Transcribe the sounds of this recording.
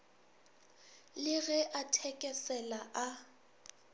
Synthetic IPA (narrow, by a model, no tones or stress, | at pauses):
lɪɣɛʔatʰɛkʼɛsɛlaʔa